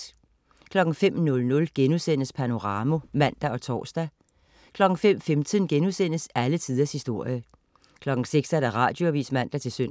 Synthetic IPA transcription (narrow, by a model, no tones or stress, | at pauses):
kʰlɒ̽ɡ̥ŋ̩fem̰nɔ̽lnɔ̽lɡ̥enusen̰əspʰæno̝ʁɑ̈ːmo̝mæn̰d̥æɒ̽t͡sʰɒ̰ːsd̥æ | kʰlɒ̽ɡ̥ŋ̩fem̰femt͡sʰiðˠnɡ̥enusen̰əsælət͡sʰiːð̞ˠɐshisd̥o̝ɐ̰jə | kʰlɒ̽ɡ̥ŋ̩seɡ̥sæɐd̥æʁɑ̰̈ːd̥jo̝æʋḭːsmæn̰d̥æt͡sʰe̝lsøn̰